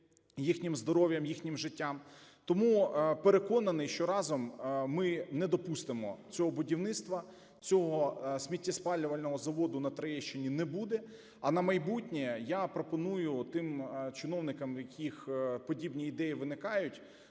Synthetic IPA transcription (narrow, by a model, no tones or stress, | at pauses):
jixnʲɪmzd̪ɔɾɔʋʲjɐmjixnʲɪmʒɪtʲːamt̪ɔmupeɾekɔnɐnɪjʃt͡ʃɔɾɑzɔmːɪnɛd̪ɔpust̪ɪmɔ̰t͡sʲɔɦɔbʊdʲiwnɪt̪st̪ʋɐ | t͡sʲɔɦɔsʲmʲitʲːɐspɑlʲːʊʋɐlʲnɔɦɔzɐʋɔd̪ʊnɐt̪ɾɐjɛʃt͡ʃenʲinɛbud̪ɛ | ɐnɐmɐjbutʲnʲɛjapɾɔpɔnujʊt̪ɪmt͡ʃɪnɔwnɪkɐmjɐkʲʰixpɔdʲibnʲiːd̪ɛjiʋɪnɪkɑjʊtʲ